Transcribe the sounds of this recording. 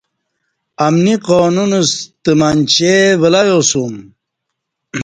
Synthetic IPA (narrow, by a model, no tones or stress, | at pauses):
ɐmniqoːnunust̪əmant͡ɕevəlajosum